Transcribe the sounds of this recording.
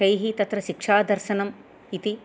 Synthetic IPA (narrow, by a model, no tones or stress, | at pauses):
ɐjɦit̪ɐt̪ɾɐʃikʂaːd̪ʱɐɾʃɐnɐm | it̪i